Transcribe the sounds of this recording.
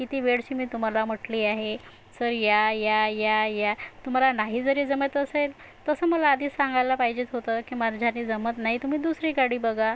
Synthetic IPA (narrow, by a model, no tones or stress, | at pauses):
kit̪iːʋeɽɕiːmiːt̪um̤alam̤əʈliːaɦe | səɾjajajajat̪um̤alanaɦiːd͡zəɾiːd͡zəmet̪əsel | t̪əsəːməlaːd̪iːssãŋɡajlapaɦid͡ʑet̪ɦot̪əːkiːmaɾd͡ʑʱaniːd͡zəmət̪naɦit̪um̤iːd̪usɾikaɽiːbəɡa